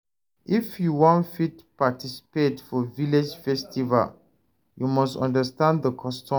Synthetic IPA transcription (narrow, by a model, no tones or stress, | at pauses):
ʔifjuwɔ̃nfit̚patisi̥petfɔviled͡ʒfɛstʰiva̰l | jumɔstɔ̰̃ndəstãndðəkʰɔstɔ̃